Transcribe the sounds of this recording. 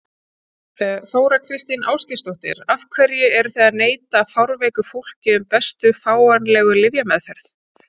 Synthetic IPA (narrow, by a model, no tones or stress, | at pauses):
θoːwɾakʰɾɪst̪inaːwscɪst̪ɔht̪ɪ̰ɾafkʰvɛɾjʏɛɾʏθɛaðneːjt̪afawɾveːjkʏfowl̥cɪʏmpɛst̪ʏfaːwanlɛːɣʏlɪvjamɛðfɛɾ̥θ